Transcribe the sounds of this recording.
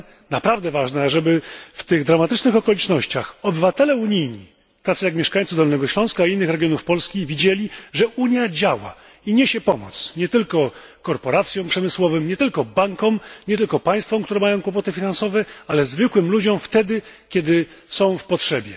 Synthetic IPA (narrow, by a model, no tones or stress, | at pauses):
napɾavd̪ɛvaʐnɛʐɛbɘft̪ɘɣd̪ɾamat̪ɘt͡ʂnɘxɔkɔlʲit͡ʂnɔɕt͡ɕaxɔbɘvat̪ɛlɛuɲijɲḭ | t̪at̪sɨjakmʲjɛʂkaj̃ʲt̪sɘd̪ɔlnɛɡɔɕlɔ̃w̃skainːɘxɾɛɡʲjɔnufpɔlskʲivʲid͡ʑelʲiʐɛʔuɲjad͡ʑawa̰ | iɲeɕɛpɔmɔ̰t̪sɲɛt̪ɘlkɔ | kɔɾpɔɾat̪sʲjɔ̃w̃pʂɛmɘswɔvɘmɲɛt̪ɘlkɔbaŋkɔ̃mɲɛt̪ɘlkɔpaj̃st̪fɔ̃mkt̪uɾɛmajɔ̃w̃kwɔp̬ɔt̪ɘfʲinansɔvɛalɛzvɘkwɘmlud͡ʑɔ̃mft̪ɛd̪ɘkʲɛd̪ɘ | sɔ̃w̃fpɔtʂɛbʲjɛ